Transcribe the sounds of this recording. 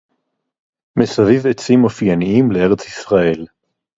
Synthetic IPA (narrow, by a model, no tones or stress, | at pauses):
mesavivet͡simofianiimlee̞ʁe̞t͡sisʁae̞l